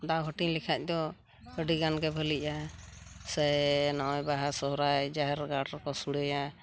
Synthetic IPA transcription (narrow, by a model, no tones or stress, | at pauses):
d̪aɦɔʈiɲlɛkʰac̚ˀd̪ɔ | əɖiɡanɡɛbʱəliʔa | sɛnɔʔɔjbaɦasɔɦɾajd͡ʒaɦɛɾɡaɖɾɔkɔsuɽəja